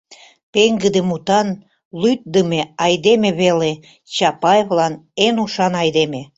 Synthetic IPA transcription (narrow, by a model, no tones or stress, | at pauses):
peŋɡəd̪ĕmut̪ɑn | lyt̪̚d̪əmeɑjd̪emeβele | t͡ɕɑpɑjevlɑnenuʃɑnɑjd̪eme